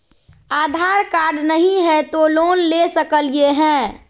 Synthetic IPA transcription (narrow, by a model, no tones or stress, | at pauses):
aːd̪ʱaɾkaːɾɖnəɦĩɦɛ̃t̪oloːnlesəkəljeɦɛ̃ː